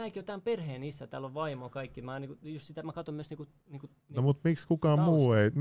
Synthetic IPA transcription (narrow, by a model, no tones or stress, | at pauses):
æikiot̪æːmperheːnisːæt̪æːloʋʋɑimokɑikːimæniːkujust̪sit̪æmækɑt̪omyøsniːku | niːku | nomut̪mikskukɑːmmuːeim